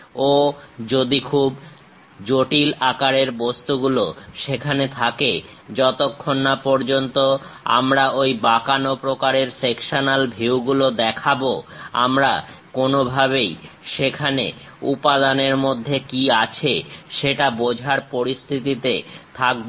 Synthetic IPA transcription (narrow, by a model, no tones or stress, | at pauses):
od͡ʑod̪ikʰub | d͡ʑoʈilakaɾeɾbost̪uɡuloʃekʰanet̪ʰake | d͡ʑɔt̪okʰːonːapɔɾd͡ʑont̪oa̰mɾaojbakanopɾokaɾeɾsekʃonalbʱiwɡulod̪ɛkʰaboa̰mɾakonobʱaβejʃekʰanḛ | upad̪aneɾmod̪ʱːekiat͡ɕʰeʃeʈabod͡ʑʱaɾpoɾist̪ʰit̪it̪et̪ʰak̚b